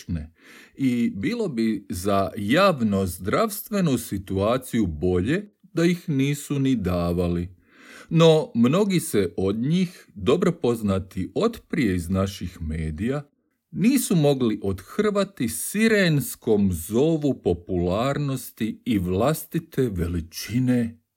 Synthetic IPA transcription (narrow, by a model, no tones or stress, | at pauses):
neibilˠo̞bizajaːʋnozd̪ɾaʋst̪ʋe̞nusit̪uaːt̪sijubo̞ʎe̞ | d̪ajixniːsunid̪aːʋali | no̞mno̞ɡiseʔo̞d̪ɲiːxd̪o̞bɾo̞po̞znat̪iʔo̞t̪pɾie̞iznaʃixmeːd̪ija | niːsumo̞ɡliʔo̞d̪xr̩ʋat̪isiɾensko̞mzo̞ʋupo̞pulaːɾno̞st̪iːʋlast̪it̪e̞ʋe̞lit͡ʃine̞